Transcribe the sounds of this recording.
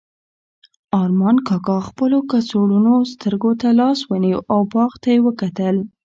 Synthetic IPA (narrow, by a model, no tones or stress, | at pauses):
ɑɾmɑnkɑkɑxpəlokasoɽunost̪əɾɡot̪alɑswəniwʔawbɑɣt̪ajewəkat̪əl